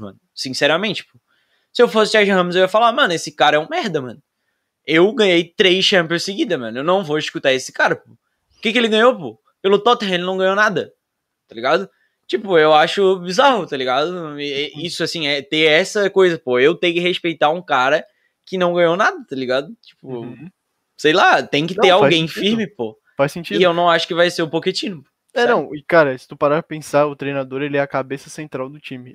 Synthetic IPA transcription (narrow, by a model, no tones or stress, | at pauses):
mɐ̰̃nʊsĩsɛɾɐmẽnt͡ʃɪ̥po̥ | sɪewfosɪt͡ʃ̪ɛʒĩɦɐ̃mʊzewiɐfalamɐ̃nʊesɪkaɾɐɛũmɛɾd̪ɐmɐ̃nʊ | ewɡɐ̃ɲejt̪ɾejsʃɐ̃piõsɪɡid̪ɐmɐ̃nʊewnɐ̃w̃voɪʃkut̪aesɪ̥kaɾɐpo | ʊkekɪelɪɡɐ̃ɲowpo̰ | pelʊt̪ɔt̪eɦẽlɪnɐ̃w̃ɡɐ̃ɲ̃ownad̪ɐ | t̪aliɡad̪ʊ | t͡ʃipʊewaʃʊbizaɦʊt̪aliɡad̪ʊɛisʊasĩɛt̪eɛsɐkojzɐpoewt̪ẽjkɪɦespejt̪aũkaɾɐ | kɪnɐ̃w̃ɡɐ̃ɲonad̪ɐt̪aliɡad̪ʊt͡ʃi̥pʊ | sejlat̪ẽj̃kɪt̪eɾawɡẽj̃ffiɾmɪpo | fajsẽt͡ʃiewnɐ̃w̃aʃʊ̥kɪvajseɾʊpoket͡ʃĩnʊpo | ɛnnɐ̃w̃ɪkaɾɐsɪ̥t̪upaɾaɐpẽsaʊt̪ɾejnad̪oɾelɪɛɐkabesɐsẽnt̪ɾawd̪ʊt͡ʃĩmɪ